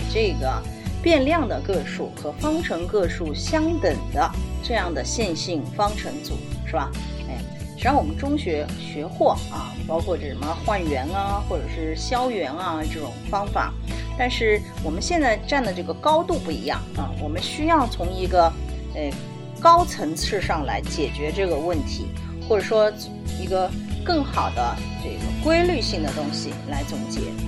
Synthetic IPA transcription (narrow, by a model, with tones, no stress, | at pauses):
ʈ͡ʂɤ˥˩ɡə˩pjɛ˥˧nljɑ˥˩ŋd̪ə˩kɤ˥˧ʂu˥˩xɤ˧˥fɑ˥ŋʈ͡ʂʰɤ˧˥ŋkɤ˥˧ʂu˥˩ɕjɑ˥ŋt̪ə˨˩ŋd̪ə˦ʈ͡ʂɤ˥˧jɑ˥˩ŋd̪ə˩ɕjɛ˥˧nɕi˥˩ŋfɑ˥ŋʈ͡ʂʰɤ˧˥ŋt͡sṵ˨˩˦ʂɻ̩˥˩ba˨˩ | e˥˩ɪ | ʂɻ̩˧˥˩wɔ˨˩mə˦nʈ͡ʂʊ˥ŋɕɥɛ˧˥ɕɥɛ˧˥xwɔ˥˩ɐ˩pɑ˥ʊkʰwɔ˥˩ʈ͡ʂə˥˩ʂə˧˥mə˧xwa˥˩nɥɛ˧˥nɐ˧xwɔ˥˩ʈ͡ʂɤ˨˩ʂɻ̩˥˩ɕjɑ˥ʊɥɛ˧˥nɐ˧ʈ͡ʂɤ˥˩ʈ͡ʂʊ̰˨˩ŋfɑ˥ŋfa̰˨˩˦t̪a˥˧nʂɻ̩˥˩ | wɔ˨˩mə˦nɕjɛ˥˧nt͡sa˥˧ɪʈ͡ʂa˥˩nd̪ə˩ʈ͡ʂɤ˥˩ɡə˩kɑ˥ʊt̪u˥˧pu˥˩ḭ˧˥jɑ̰˥˩ŋɐ̰˧˩wɔ˨˩mə˦nɕy˥jɑ˥˩ʊt͡sʰʊ˧˥ŋi˧˥ɡə˧ | ə˥˩ | kɑ˥ʊt͡sʰɤ˧˥ŋt͡sʰɻ̩˥˧ʂɑ˥˩ŋla̰˧˥ɪt͡ɕjɛ˨˩t͡ɕɥɛ˧˥ʈ͡ʂɤ˥˩ɡə˩wə˥˩nt̪ʰḭ˧˥ | xwɔ˥˩ʈ͡ʂɤ˨˩ʂwɔ˥t͡sʰi˧˥ɡə˧kɤ˥˩ŋxɑ˨˩ʊd̪ə˦ | ʈ͡ʂɤ˥˩ɡə̰˩kwe˥ɪly˥˧ɕi˥˩ŋd̪ə˩t̪ʊ˥ŋɕi˨˩la˧˥ɪt͡sʊ˨˩ŋt͡ɕjɛ̰˧˥